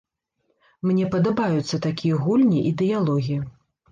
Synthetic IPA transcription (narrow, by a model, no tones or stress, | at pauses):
mnʲɛpɐd̪ɐbajut̪sːɐt̪akʲijɐɣulʲnʲiʔid̪ɛjalˠɔɣʲijɐ